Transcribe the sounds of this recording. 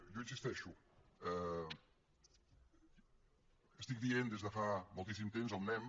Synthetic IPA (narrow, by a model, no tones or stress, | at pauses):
ʒoinsist̪ɛʃuɛ | əst̪ik̚d̪iend̪ezðəfamulˠt̪isimt̪emzəlˠnɛm